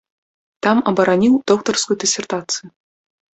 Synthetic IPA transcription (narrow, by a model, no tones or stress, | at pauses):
t̪ɑmɐbɐɾanʲiwd̪ok̚t̪orskujud̪ʲesʲert̪at̪sɨju